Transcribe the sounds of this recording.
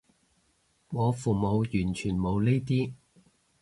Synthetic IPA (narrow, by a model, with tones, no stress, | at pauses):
ŋɔː˨˧fuː˨˩mo˨˧wjyː˨˩nt͡ʃʰyː˨˩nmo˨˧wle˥jt̪iː˥